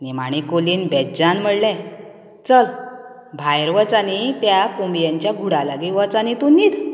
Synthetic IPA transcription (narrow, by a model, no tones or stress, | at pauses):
nimaɽ̃ikoliːnbɛd͡ʑanm̤əɽlɛ̃ | t͡səl | bʱajɾʋət͡sanit̪jakumjaɲt͡ɕjaɡʱuɽalaɡiʋət͡sañit̪unːiːt̪